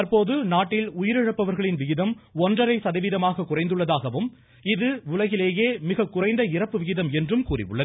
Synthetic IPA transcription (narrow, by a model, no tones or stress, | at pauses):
ɐɾpoːðɯnaːʈːɪlʊjɪɾɪɻɐpːɐʋɐɾɣɐɭɪnʋɪɣɪðɐmɔndrɐɾɐɪsɐðɐʋiːðɐmaːɣɐkʊrɐɪnd̪ɯɭːɐðaːɣɐʋɯm | ɪðɯʊlɐɣɪleːjeːmɪɣɐkːʊrɐɪnd̪ɐɪrɐpːɯʋɪɣɪðɐmɛndrɯmkuːrɪ̰ʋɯ̰ɭːɐð